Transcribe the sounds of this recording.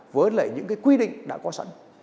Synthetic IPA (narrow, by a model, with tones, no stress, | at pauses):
vəː˨˦lə̰ː˧˩jɲɨ̰˧˥ŋkaː˨˦jkwi˧ɗḭ̈˧˨ŋ̟ɗa̰ː˧˥kɔ˨˦sa̰˧˥n